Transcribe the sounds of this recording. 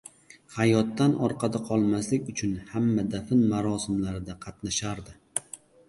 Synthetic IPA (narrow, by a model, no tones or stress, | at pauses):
hajɒt̪ːanʔɒɾqʰɑd̪aqʰɒlˠmaslɪkʲʊt͡ʃʰʊnhamːad̪afɪnmaɾɒsɪmlaɾɪd̪aqʰɑt̪naʃaɾd̪ɪ